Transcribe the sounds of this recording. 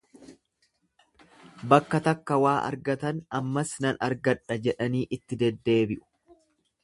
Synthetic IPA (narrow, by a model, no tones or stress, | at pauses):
bɐkːɐt̪ɐkːɐwaːʔɐ̰ɾɡɐt̪ɐnɐmːɐsnɐnɐɾɡɐᶑɐd͡ʒɛᶑɐniːʔɪt̪ːɪd̪ɛd̪ːe̞ːbɪʔʊ̥